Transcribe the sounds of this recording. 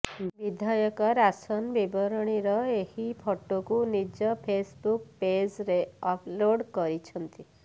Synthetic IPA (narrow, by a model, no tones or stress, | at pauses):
bid̪ʱajɔkɔɾasɔnbibɔɾɔɽ̃iɾɔehipʰoʈːokunid͡ʒɔpʰesbuk̚ped͡ʒɾeɔploɖkɔɾit͡ʃʰɔnt̪i